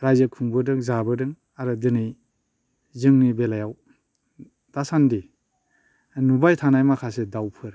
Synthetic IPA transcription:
ɾajzɯkʰuŋbɯdɯŋzabɯdɯŋ | aɾɯdɯnɯj | zɯŋnibelajaw | d̥asandi | nubajtʰanajmakʰasedawpʰɯɾ

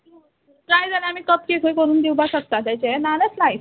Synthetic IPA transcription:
ʈɾajd͡zaleam̤iːkəpkekʰəjkəɾuːnd̪iwbʱasək̚t̪at̪at͡ɕenaneslajf

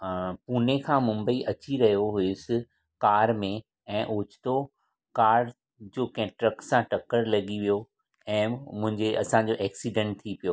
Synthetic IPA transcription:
puːn̤ekʰãːmʊ̃mbəiʔɐt͡ɕiɾɐɦijoɦʊʊsɪ | kaːɾmẽ | ɛ̃ːʔoːt͡ɕɪ̥t̪o | kaːɽ | d͡ʑoːkɐ̃ɪ̃ʈɾɐksãʈɐkəɾlɐɠiʋijo | ɛ̃ːmʊ̃ɦɪ̃ɲd͡ʑeʔɐsãɲd͡ʑoːʔɛːksiɖɛ̃ɳʈ̚t̪ʰipijoː

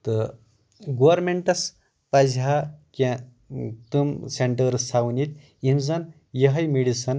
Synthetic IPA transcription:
t̪ɨ | ɡoʋɐɾmeɳʈɐs | pad͡zɦakʲã | t̪umseɳʈəɾsawnit̪ | inzɐn | jɐɦɐjmiɽisɐn

